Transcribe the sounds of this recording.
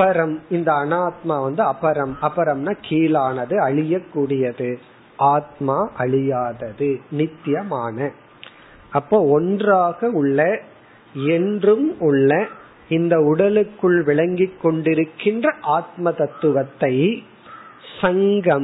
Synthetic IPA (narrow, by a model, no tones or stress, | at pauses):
ɐpɐɾɐmɪnd̪ɐːnaːt̪̚maːʋɐnd̪ɯɐpɐɾɐmɐpːɐɾɐmnaːkiːlaːnɐðɯɐɭɪjɐkːuːɽɪjɐðɯ | ʔaːt̪̚maːʔɐɭɪjaːðɐðɯnɪt̪ːjɐmaːnɐ | ɐpːoːɔndraːɣɐʊɭːɐ | ɛndrɯmʊɭːɐ | ɪnd̪ɐʊɽɐlɯkːɯɭʋɪɭɐŋɡɪkːɔɳɖɪɾɯkːɪndrɐʔaːt̪̚mɐt̪ɐt̪ːɯʋɐt̪ːɐɪ | sɐŋɡɐm